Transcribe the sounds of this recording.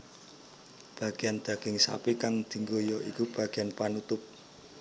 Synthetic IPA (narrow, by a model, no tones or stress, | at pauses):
b̥ä̤ɡ̥eand̪̥a̤ɡ̥ɪŋsa̰pikaŋd̪̥i̤ŋɡojɔʔikub̥a̤ɡ̥e̤anpanut̪ʊp̚